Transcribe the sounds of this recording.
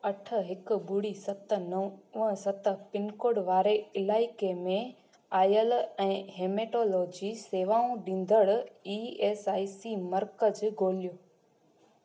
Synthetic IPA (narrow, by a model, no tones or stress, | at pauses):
ɐʈʰə̆ɦɪkʊ̆bʊɽisɐt̪̆nɐʋəsɐt̪̆pɪnkoːɽʋaːɾeɪlaːɪkemẽ | aːjəlɛ̃ːɦeːmeːʈoːloːd͡ʑiseːʋaːũɗĩːn̆d̪əɽiːeːsaːisimɐɾkəd͡ʑɡʱoːlijoː